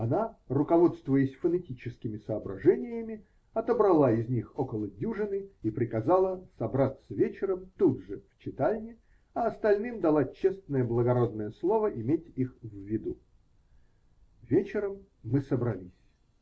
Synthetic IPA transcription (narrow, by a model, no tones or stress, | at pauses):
ɐnarʊkɐvo̞t̪st̪vʊjɪsʲfənɐtʲit͡ɕɪskʲɪmʲɪsəːbɾɐ̰ʐɛnʲɪjəmʲɪ | ɐt̪əbɾɐlˠaɪzʲnʲixokəlˠədʲuʐɨnɨipɾʲɪkɐzalˠəsɐbɾat̪səvʲet͡ɕɪɾəmt̪ud̪ʐɨft͡ɕɪt̪alʲnʲɪ | ɐɐst̪ɐlʲnɨmd̪ɐlˠat͡ɕest̪nəjəblˠəɡɐɾo̞d̪nəjəslˠo̞vəʔɪmʲetʲixvʲːɪd̪u | vʲet͡ɕɪɾəmː | ɨsəbɾɐlʲisʲ